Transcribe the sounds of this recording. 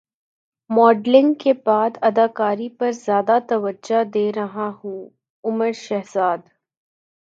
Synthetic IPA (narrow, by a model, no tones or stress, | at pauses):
mɔːɖlɪ̃ŋɡkebaːd̪ɐd̪aːkaːɾipɐɾzjaːd̪at̪ɐʋəd͡ʒad̪eːɾɐɦahũː | ʊməɾʃɐɦzaːd̪